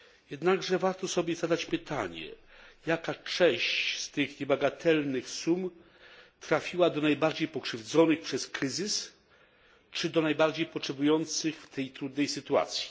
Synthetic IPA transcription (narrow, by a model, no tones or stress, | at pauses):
jɛd̪naɡʐɛvaɾt̪ɔsɔbʲjɛzad̪at͡ɕpɘt̪ʰa̰ɲɛ̰jakat͡ʂɛ̃ɕt͡ɕst̪ɘxɲɛbaɡat̪ʰɛlnɘxsum | t̪ɾafʲiwad̪ɔnajbaɾd͡ʑejpɔkʂɘvd̪zɔnɘxpʂɛskɾɘzɘs | t͡ʂɘd̪ɔnajbaɾd͡ʑejpɔtʂɛbujɔnt̪sɘxft̪ʰɛjt̪ɾud̪nɛjsɘt̪ua̰t̪sʲji̥